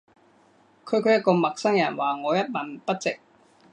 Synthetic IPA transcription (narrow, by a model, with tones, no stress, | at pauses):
kʰɵ˨˧ɥkʰɵ˨˧˥jɐ˥t̚kɔː˧mɐ˨k̚sɐ˥ŋjɐ˨˩nwaː˨ŋɔː˨˧jɐ˥t̚mɐ˨˩npɐ˥t̚t͡sɪ˨k̚